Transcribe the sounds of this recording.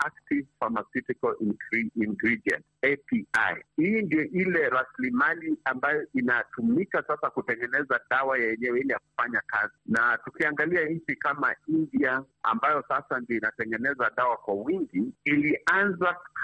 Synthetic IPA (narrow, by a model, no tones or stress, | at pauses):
ak̚tivfamasutikalinɡɾiiŋɡɾiɗiɛ̰ntɛpia̰jhindiɔʔilɛɾaslimaliambajɔʔinatumikasasakutɛŋɡɛnɛzaɗawajaɛɲɛwɛilɛjaku̥faɲaka̰zinatukiaŋɡaliaɲt͡ʃikama̰india | a̰mbajɔsasandiɔinatɛŋɡɛnɛzaɗawakwawiŋɡiiliʔanza